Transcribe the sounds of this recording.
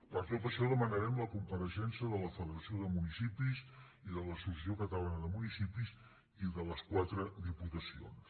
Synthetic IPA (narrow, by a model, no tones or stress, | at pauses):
pəɾkɛpəʃɔðəmənəɾɛmləkumpəɾəʃɛnsiəðələfəðəɾəsioðəmunisipiz | iðələsus̬əsijokət̪əlanəðəmunisipiz | iðələskwat̪ɾəd̪iput̪əsio̰ns